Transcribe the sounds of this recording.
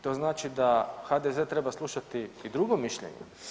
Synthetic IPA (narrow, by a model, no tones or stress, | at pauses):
t̪o̞znaːt͡ʃid̪axad̪eze̞t̪ɾe̞baslˠuʃat̪iːd̪ɾuɡo̞miʃʎḛɲḛ